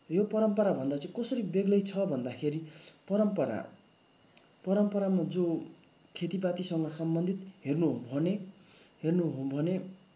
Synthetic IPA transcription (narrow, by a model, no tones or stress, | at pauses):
jopʌɾʌmpʌɾabʱʌnd̪at͡sʌĩkʌsʌɾibeɡlʌjt͡sʰʌbʱʌnd̪akʰeɾipʌɾʌmpʌɾa̰ | pʌɾʌmpʌɾamad͡zo | kʰet̪ip̬at̪isʌŋɡʌsʌmbʌnd̪ʱit̪ɦernuɦobʱʌneɦernuɦobʱʌne